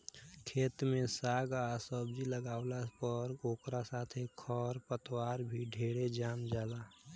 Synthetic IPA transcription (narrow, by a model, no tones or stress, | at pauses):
kʰeːt̪mẽsaːɡaːsɔbd͡ʒiləɡaːʊlapəɾoːkɾasaːt̪ʰekʰɔːɾpət̪waːɾbʱiɖʱeːɽed͡ʒaːmd͡ʒaːlaː